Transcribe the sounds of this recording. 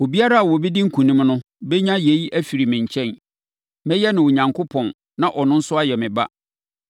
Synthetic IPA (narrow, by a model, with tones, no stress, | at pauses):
o˨bi˦a˦ɾa˦a˨wɔ˨bɛ˦di˦ŋ̩˦kʰũ˨nĩ˦mnʊ̃˦ | bɛ˦ɲã˦je˨i˦ʔæ˦fi˨ɾi˨mɪ̃˨ɲ˨t͡ɕʰɛ̃˦n | mɛ̃˦jɛ˦nɪ̃˨wo˨ɲã˨ŋkʰʊ˦pʰɔ̃˨n | nã˨ʔɔ˨nʊ̃˦n̩˦sʊ˦a˦jɛ˨mɪ̃˨ba̰˦